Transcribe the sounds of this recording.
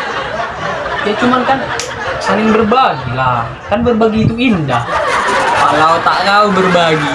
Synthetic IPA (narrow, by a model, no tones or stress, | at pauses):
ijat͡ʃumankan | salɪŋbərbaɡila | kanbərbaɡiːt̪uindahkalaut̪aʔkaubərbaɡi